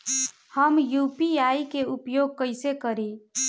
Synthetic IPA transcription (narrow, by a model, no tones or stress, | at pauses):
həmjupiaikeupjoɡ̚kəɪsekəɾi